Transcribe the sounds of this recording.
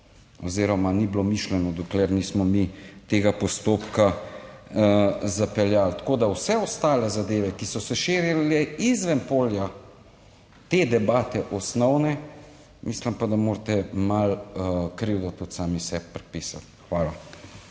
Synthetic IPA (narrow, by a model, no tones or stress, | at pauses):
ɔ̰ziɾɔmaniblomiʃlɛnɔd̪ɔklɛɾniːsmɔmit̪eːɡapɔst̪oːpka | zapɛljalt̪kod̪awsɛɔst̪aːlɛzad̪eːʋɛkisɔsɛʃeːɾjalɛizʋɛmpoːlja | t̪ed̪ɛbaːt̪ɛʔɔsnɔwnɛ | mʔislimpad̪amoːɾt̪ɛmalkɾiwd̪ɔt̪ut̪saːmisɛpːɾɛpiːsa̰t̪xʋaːla